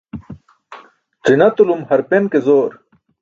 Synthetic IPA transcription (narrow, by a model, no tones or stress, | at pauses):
t͡sinɐt̪ulumhɐɾpenkezoːɾ